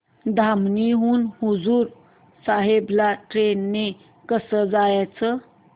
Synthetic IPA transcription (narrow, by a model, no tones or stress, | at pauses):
d̪ʱamniɦuːnhud͡zuːɾ | saɦeblaʈɾenːe | kəsəd͡zajat͡sə